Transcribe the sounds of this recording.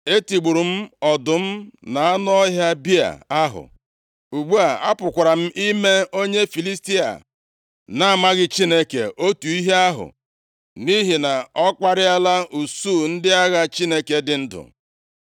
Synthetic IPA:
e˦ti˨ɡ͡bu˨ɾu˨m̩˦ɔ˨dʊ˨m̩˦na˨a˦n˦ɔ˦ɦja˦bi˦a̰˨a˦ɦʊ̰˨ | u˨ɡ͡bu˦a˨a˦pʊ˨kʷa˨ɾa˨m̩˦ʔi˦me˦o˦ɲe˦fi˨li˦sti˦a̰˨ | na˦a˨ma˦ɣɪ˦t͡ʃi˦ne˦kḛ˨ʔo˦tu˨i˦ɦe˦a˦ɦʊ̰˨ | ni˦ɦi˨na˨ɔ˦k͡pa˦ɾɪ˦a˦la˦u˨su˦˨n̩˦dɪ˦a˦ɣa˦t͡ʃi˦ne˦ke˨dɪ˨n̩˦dʊ̰˨

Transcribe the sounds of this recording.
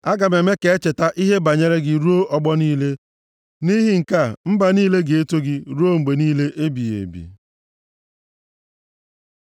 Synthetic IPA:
a˦ɡa˨me˨me˦ke˨e˦t͡ʃe˨ta˦ʔi˦ɦe˦ba˨ɲe˦ɾe˦ɡɪ˨ɾu˦o˦ʔɔ˦ɡ͡bɔ˦niː˦le˦ | ni˦ɦɪ˦ŋ̩˨ka˦˨m̩˦ba˨niː˦le˦ɡe˨e˦to˦ɡɪ˦ɾu˦o˦ŋ͡m̩˨ɡ͡be˨niː˦le˦ʔe˦bi˨jḛ˨bḭ˨

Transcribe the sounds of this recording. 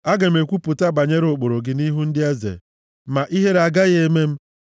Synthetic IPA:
a˦ɡe˨m̩e˨kʷu˦pʊ˨ta˦ba˨ɲe˦ɾʊ˨k͡po˨ɾo˨ɡɪ˦ni˦ɦu˦n̩˦dɪ˦e˦zḛ˨ | ma˨ʔi˦ɦe˦ɾa˨ɡa˦ɣe˦me˦m̩˦

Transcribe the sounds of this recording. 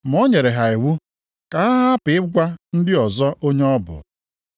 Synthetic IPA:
m̩˨o˦ɲe˨ɾe˨ɦa˨e˨wu˦ | ka˨a˦ɦa˦a˦pɪ˨ɪ˦ɡʷa˦n̩˦dɪ˦ɔ˨zɔ˦ʔo˦ɲe˦ɔ˦bʊ̰˨

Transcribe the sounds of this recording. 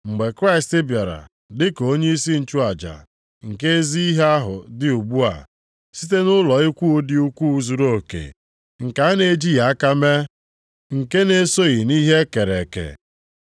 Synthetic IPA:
ŋ͡m̩˨ɡ͡be˨kɾa˦ɪ˨stɪ˦bja˨ɾa̰˨ | dɪ˦ko˦ɲe˦i˦si˦n̩˨t͡ʃu˦a˨d͡ʒa̰˨ | ŋ̩˨ke˦e˦zi˦i˦ɦe˦a˦ɦʊ̰˨dɪ˦u˨ɡ͡bu˦a̰˨ | si˦t̬e˦nʊ˦lɔ˨i˦kʷu˦di˦u˦kʷu˦zu˨ɾo˦˨kḛ˨ | ŋ̩˨ka˨˦a˦ne˨d͡ʒi˦ja˨a˦ka˦me˦ | ŋ̩˨ke˦ne˦so˦ɣi˨ni˦ɦe˦ke˨ɾe˨kḛ˨

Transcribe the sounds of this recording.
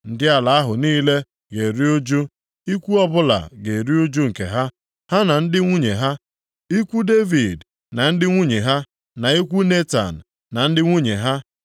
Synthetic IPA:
n̩˨dɪ˦a˨la˨a˦ɦʊ˨niː˦le˦ | ɡe˨ɾi˦o˦d͡ʒu˦ | i˦kʷu˦ɔ˦bʊ˦la̰˨ɡe˨ɾi˦o˦d͡ʒu˦ŋ̩˨kḛ˨ɦa˦ | ha˦na˨n̩˦dɪ˦ŋʷu˦ɲe˨ɦa˦ | i˦kʷu˦de˦vi˨d | na˨n̩˦dɪ˦ŋʷu˦ɲe˨ɦa˦ | na˨i˦kʷu˦ne˦ta̰˨n̩˨ | na˨n̩˦dɪ˦ŋʷu˦ɲe˨ɦa˦

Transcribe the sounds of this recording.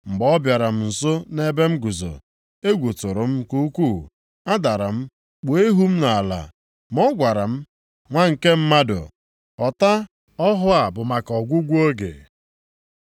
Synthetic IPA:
ŋ͡m̩˨ɡ͡bɔ˦bja˨ɾa˨m̩˦n̩˨sʊ˦ne˦be˦m̩˦ɡu˨zo̰˨ | e˦ɡʷu˨tʊ˨ɾʊ˨m̩˦ku˦kʷu˦˨ | a˦da˨ɾa˨m̩˦ | k͡po˨e˦ɦu˦m̩˦na˨a˨la̰˨ | mɔ˦ɡʷa˨ɾa˨m̩˦ | ŋʷa˦ŋ̩˨ke˦m̩˦ma˦dʊ̰˨ | ɔ˨ta˦ | ɔ˦ɦʊ˦a˨bʊ˨ma˨kɔ˨ɡʷu˦ɡʷu˦o˦ɡḛ˨

